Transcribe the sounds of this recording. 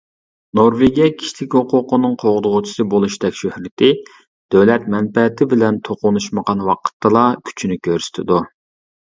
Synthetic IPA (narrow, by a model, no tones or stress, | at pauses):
noɾveɡʲijɑkʲʰi̥ʃt̪ʰɪkʲhoqʰʊqʰʊnɨŋqʰoʁʊd̪ʊʁʊt͡ʃʰi̥sɨbolˠuʃd̪ɛkʲʃøhɾɪt̪ʰɪ | d̪̥øwlɛt̪̚mɛnpɛt̪ʰɪbɪlɛnt̪ʰoqʊnuʃməʁɑnwɑqʰə̥t̪ʰːɨlˠɑkʲʰy̥t͡ʃʰinɪkʲʰøɾsɪ̥t̪ʰɪd̪u